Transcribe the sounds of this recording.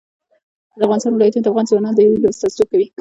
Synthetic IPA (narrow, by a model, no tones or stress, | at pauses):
d̪əafɣɑnɪst̪ɑnwɪlɑjat̪unod̪əafɣɑnzwanɑnd̪əiibast̪azokawi